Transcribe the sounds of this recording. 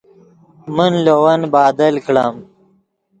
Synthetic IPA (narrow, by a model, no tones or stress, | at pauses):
mənlowɐnbaːd̪ɐlkɽa̰ːm